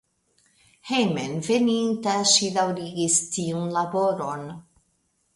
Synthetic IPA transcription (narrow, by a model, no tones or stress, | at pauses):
hejmenvenintaʃidawɾiɡistiunlabo̞ɾo̞n